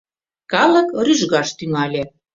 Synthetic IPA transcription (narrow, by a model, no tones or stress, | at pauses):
kɑlə̆kryʒɣɑʃt̪yŋɑlʲĕ